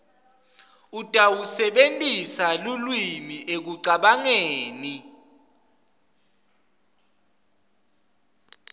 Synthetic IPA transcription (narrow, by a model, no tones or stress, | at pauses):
ud̥ʱʼawusɛɓentʼisalulwimiʔek̬uǀaɓaŋeːni